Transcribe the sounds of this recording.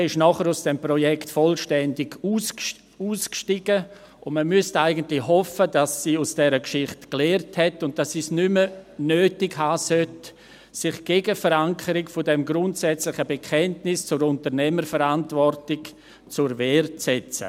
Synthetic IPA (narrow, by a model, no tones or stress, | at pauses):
ɛɪʃnɔχəɾʊsd̥ɛmprɔjɛktfɔlʃtɛndɪɡ̥uːs | uːskʃtiɡə | ʊnməmyəstaɪɡəntlɪɦɔfədasːiːʊsd̥ɛːɾəkʃɪχtklɛːrthɛtʊnt̚d̥asiːsnʏmənøːtɪkhaːsœt | sɪχɡ̥eːɡəfəɾaŋkʰəɾɪkfɔdɛmɡɾʊntsɛt͡slɪχəbekʰɛntnɪst͡sʊɾʊntəɾnɛməɾfəɾantvɔrtɪk | t͡sʊɾvɛːrt͡sɛt͡sə̰